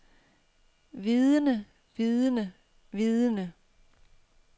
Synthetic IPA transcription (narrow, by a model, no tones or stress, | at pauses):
ʋiðˠənə | ʋiðˠənə | ʋiðˠənə